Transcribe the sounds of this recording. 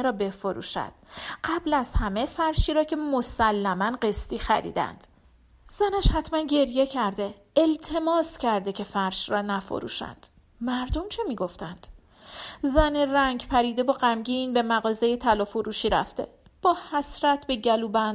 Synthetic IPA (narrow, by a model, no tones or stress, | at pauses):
eɾɒːbe̞fo̞ɾṵːʃæ̰d̪̥ɢæblæzhæmefæɾʃiːɾɒːcʰe̞mo̞sælːæmænɢe̞st̪iːxæ̰ɾḭːd̪æ̰nd̪̥ | z̥ænæʃhæt̪ʰmænɟe̞ɾje̞cʰæɾd̪e̞ | elt̪ʰe̞mɒːscʰæɾd̪ecʰe̞fæɾʃɾɒːnæfo̰ɾṵːʃæ̰nd̪̥ | mæɾd̪o̞mt͡ʃʰe̞miːɡo̞ft̪ænd̪̥ | zæneræŋɟpʰæɾiːd̪e̞bɒːɢæmɟinbe̞mæɣɒːze̞jet̪ʰælɒːfoɾuːʃiːɾæ̰ft̪e̞̰ | b̥ɒːhæsɾæt̪ʰbe̞ɟæluːbænd̪